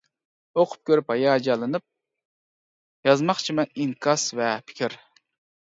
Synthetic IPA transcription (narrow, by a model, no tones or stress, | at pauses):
oqʰʊ̥p̚kʲʰøɾyphɑjɑːd͡ʒɑlˠɨnɨp̚ | jɑzmɑχt͡ʃʰimɛniŋkʰɑsvɛpʰɪ̥kʰʲiɾ